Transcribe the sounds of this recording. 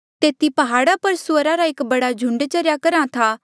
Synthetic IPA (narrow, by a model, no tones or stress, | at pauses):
t̪eːt̪ipɐɦaːɽapɐɾsʊəɾaɾaɪkbɐɽad͡ʒʱʊ̃ɳɖt͡ʃɐɾjakɐɾãt̪ʰaː